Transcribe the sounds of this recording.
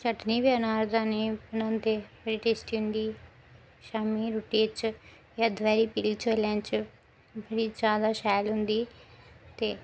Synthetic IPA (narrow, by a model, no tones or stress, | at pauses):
t͡ʃəʈniːbeːnaːɾd̪aːniːbənãːnt̪eːbəɽiːʈeːsʈiːɦʊ̃nd̪iː | ʃaːmiːɾuːʈiːt͡ʃ | jad̪ʋɛːɾiːpilt͡ʃoːljãːt͡ʃ | bəɽiːd͡ʒjaːd̪aːʃɛːlɦʊ̃nd̪iːt̪eː